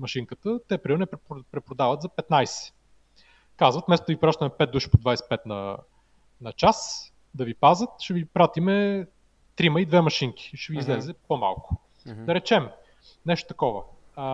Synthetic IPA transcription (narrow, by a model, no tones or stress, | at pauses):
mɐʃiŋkət̪ət̪ɛpɾiɾnɛppɾɛpɾod̪avət̪zɐpɛt̪najsɛ̥ | kazvət̪mɛst̪ʊd̪ɐvʲipɾaʃt̪əmɛpɛt̪̚d̪uʃi̥pod̪vajsɛ̥pɛt̪nɐ̰ | nɐt͡ʃas | d̪ɐvipazət̪ʃɛvipɾat̪imɛ | t̪ɾiməid̪vɛmɐʃiŋkʲi̥ʃɛviːzlɛzɛpoma̰lˠkʊ̥ | d̪ɐɾɛt͡ʃɛm | nɛʃt̪o̥t̪ɐkɔvə̰